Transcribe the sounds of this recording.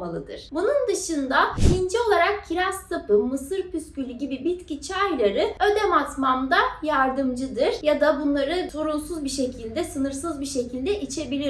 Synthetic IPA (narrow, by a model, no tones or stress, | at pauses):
alˠɯd̪ɯ̰ɾ̥bunund̪ɯʃɯnd̪aiind͡ʒio̞lˠaɾak̚cʰiɾast̪ʰapɯmɯsɯɾpyscylʲyɟibibit̪cit͡ʃʰajlˠaɾɯø̞d̪ɛmat̪mamd̪ajaɾd̪ɯmd͡ʒɯd̪ɯɾ̥jad̪abunlˠaɾɯsoɾulˠsuzbiʃe̞cʰilʲd̪ɛsɯnɯɾsɯzbiʃe̞cʰilʲd̪ɛʔit͡ʃʰe̞bilʲi